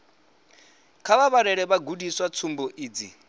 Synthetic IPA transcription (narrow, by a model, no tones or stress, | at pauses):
kʰaβaβaɾɛɺɛβaɡudiswat͡sʰumbɔʔiːd͡zḭ